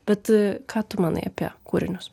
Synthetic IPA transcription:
b̥ʲɛt̪kʰɑːt̪ʊmɑːnɐ̰ɪɐ̰pʲiɛkuːɾʲɪnʲʊs

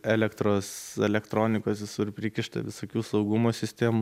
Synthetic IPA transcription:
ɛlʲɛkt̪ɾoːsɛlʲɛkt̪ɾoːnʲɪkoːsʋʲɪsʊɾpʲɾʲɪkʲɪʃt̪ɐ̰ʋʲɪsoːkʲuːsɒʊɡʊmoːsʲɪsʲt̪ʲeːmʊ

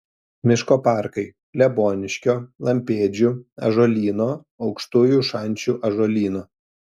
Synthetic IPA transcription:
mʲɪʃkoːpɑˑɾkɐɪ | lʲɛboːnʲɪʃʲkʲoːlˠɐmʲpʲeːd͡ʒʲʊɐ̰ʒoːlʲiːnoː | ɒʊkʃt̪uːjuʃɐnʲˑt͡ʃʲuʔɐʒoːlʲiːnoː

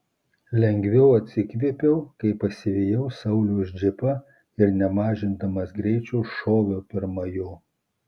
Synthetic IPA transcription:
lʲɛŋʲɡʲʋʲɛʊɐt̪ʲsʲɪkʋʲeːpʲɛʊkɐɪpɐsʲɪʋʲeːjɛʊsɐʊlʲozʲd͡ʒʲɪpɐ | ɪɾnʲɛmɑːʒʲɪnd̪ɐmɐsɡɾʲɛɪt͡ʃʲɛːʃoːʋʲoːpʲɪɾmɐjoː

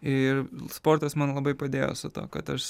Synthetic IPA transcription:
ɪrspoːɾt̪ɐsmɐnlˠɐbɐɪpɐd̪ʲeːjo̰ːsʊt̪o̰ːkɐt̪ɐʃ

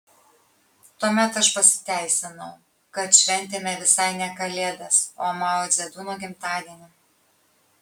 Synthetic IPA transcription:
t̪uɔmʲɛt̪ɐʃpɐsʲɪ̥t̪ʲæˑɪsʲɪnɒʊ | kɐt̪ʃʲʋʲɛnʲt̪ʲeːmʲɛʋʲɪsɐɪnʲɛkɐlʲeːd̪ɐsoːmɑːoːzʲɛd̪uːnoːɡʲɪmt̪ɑːd̪ʲiɛnʲu

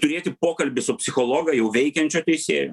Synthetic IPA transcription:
t̪ʊɾʲeːt̪ʲɪpoːkɐlʲbʲɪsʊpʲsʲɪxoːlˠoːɡɐjɛʊʋʲɛɪkʲɛnʲt͡ʃʲoːt̪ʲɛɪsʲḛːjo̰

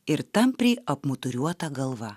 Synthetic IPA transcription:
ɪɾt̪ɐmpʲɾʲiːʔɐpmot̪ʊɾʲuɔt̪ɐːɡɐlˠʋɐ

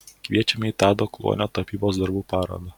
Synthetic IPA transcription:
kʋʲiɛt͡ʃʲɛmʲɪit̪ɑːd̪oːklˠṵɔ̰nʲoːt̪ɐpʲiːboːsd̪ɐɾbuːpɑːɾo̰d̪ɐ

